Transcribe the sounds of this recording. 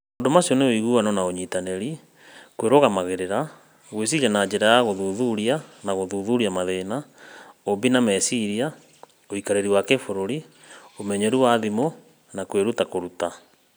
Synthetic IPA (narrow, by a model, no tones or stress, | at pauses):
ondomasiɔneoiɣuanɔnaoɲitaneɾi | kweɾoɣamaɣeɾeɾa | ɣwes̬iɣanad͡ʒeɾajaɣoðuːðuɾianaɣoðuːðuɾiamaðenaobinamɛsiɾia | oikaɾeɾiwakefoɾoɾi | omɛɲɛɾuwaðimo | nakweɾutakoɾuta